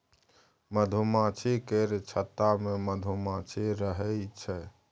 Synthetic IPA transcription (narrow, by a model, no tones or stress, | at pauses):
məd̪ʱumat͡ʃʰikeɾt͡ʃʰət̪ameməd̪ʱumat͡ʃʰiɾəɦɛt͡ʃʰɛ